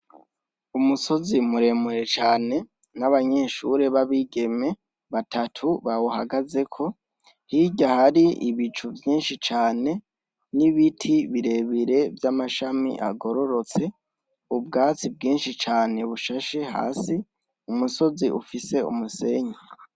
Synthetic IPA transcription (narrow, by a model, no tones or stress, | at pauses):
umuso̞zimuɾe̞muɾe̞t͡ʃaːne̞ | naβaɲe̞ːʃuɾe̞βaβiɡe̞me̞ | βatʰatʰuβawoha̰ɡaze̞kʰo̞ | hiɟahaɾiḭβit͡ʃuvjiːnʃit͡ʃaːne̞ | niβitʰiβiɾe̞βiɾe̞vjamaʃamḭʔa̰ɡo̞ɾo̞ɾo̞t͡se̞ | ub̚ɡaːt͡sib̚ɡiːnʃit͡ʃaːne̞βuʃaʃeha̰ːsi | umuso̞ziʔufise̞ṵmuse̞ɲe